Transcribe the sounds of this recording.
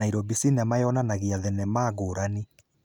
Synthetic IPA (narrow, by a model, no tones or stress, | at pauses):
aiɾɔbisinɛmajɔnanaɣeaðɛnɛmaːɣoːɾani